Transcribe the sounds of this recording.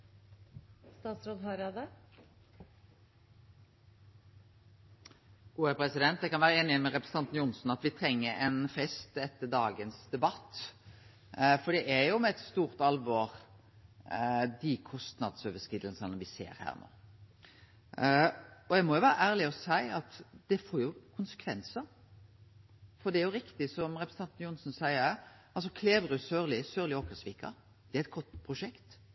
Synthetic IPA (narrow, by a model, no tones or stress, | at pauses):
st̪ɑːt̪sɾoːd̪ɦɑɾɑd̪ə | uːəpʰɾɛsɪd̪ɛnt̪̚d̪ɛkɑnʋæːɾəeːnɪəmɛɾɛpɾɛsəɑnt̪njʊnsn̩ɑt̪ʋɪt̪ʰɾɛŋːəɾɛnfɛst̪ɛt̪ːəɖ̪ɑːɡənsd̪ɛbɑt̪ː | fɔɖ̪ɛʔæjʊmɛɛt̪st̪uːʁt̪ɑlʋɔːʁ | d̪ɪkʰɔst̪nɑ̰d̪søːʋəskɪːd̪əlsnnʋɪsḛːɾhæ̰ːɾno̰ː | ɔjɛɡmɔjʊʋæːɾəʔæːɾlɪɔsæɪɑt̪d̪̥ɛfoːɾjʊkʰʊnsə̥kʰʋɛnsə | fɔd̪ɛæɾjʊɾɪkt̪ɪsɔmɾɛpɾs̩ʰɑnt̪ːnjʊnsɔnsæɪəɾ | ɑlsɔkʰleːʋɾʉsøːɾlɪsøːɾlɪoːkəsʋiːkʰɑ̰ | d̪̥ɛæɾɛt̪̚ɡʰɔt̪ːpʰɾʊʂɛkt̪